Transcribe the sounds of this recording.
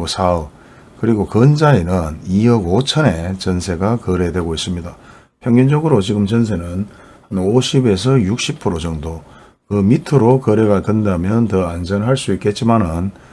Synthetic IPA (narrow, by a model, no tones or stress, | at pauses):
osʰaɯ | kɯɾiɡokʌnd͡ʑaenɯniʌɡot͡ɕʰʌnet͡ɕʌnsʰe̞ɡakʌɾe̞dwe̞ɡois͈ɯmɲida | pʰjʌŋɡind͡ʑʌɡɯɾot͡ɕiɡɯmt͡ɕʌnsʰe̞nɯn | hanoɕʰibe̞s̬ʰʌjuk̚ɕ͈ʰip̚pʰɯɾod͡ʑʌŋdo | kɯmitʰɯɾokʌɾe̞ɡatendamjʌntʌand͡ʑʌnɦaɭs͈uik͈e̞t̚t͡ɕ͈imanɯn